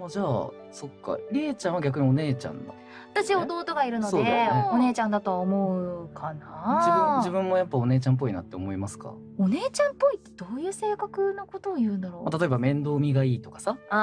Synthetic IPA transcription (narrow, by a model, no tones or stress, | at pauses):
mod͡ʑaː | so̞kːa̰ɾʲeːt͡ɕãɰ̃aɡʲak̬ɯ̟ɲ̟io̞ne̞ːt͡ɕã̰nd̪a̰ | at̪aɕiaod̪o̞ːt̪o̞ɡaiɾɯ̟nosod̪ːeeone̞ːt͡ɕãnd̪at̪o̞βaomo̞ɯkʰanad͡ʑiɯ̃d͡ʑibɯ̟̃mːo̞japːao̞ne̞ːt͡ɕãmp̬ːo̞ina̰t̪ːe̞omo̞imasɨ̥ka̰ | one̞ːt͡ɕãmpo̞it̪ːe̞d̪̥o̞ːjɯ̟ːse̞ːkakɯ̟no̞kot̪oːjɯ̟ːnd̪aɾo̞ːmat̪at̪o̞e̞bamẽ̞nd̪o̞ːmʲiɡaiːt̪o̞kḁsa